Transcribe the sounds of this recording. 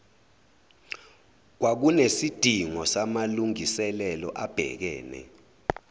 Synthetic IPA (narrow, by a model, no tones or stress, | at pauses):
k̬wak̬unesid̥ʱiŋɔsamaluŋisɛlɛlɔʔab̥ʱɛ̰k̬ɛːnɛ̰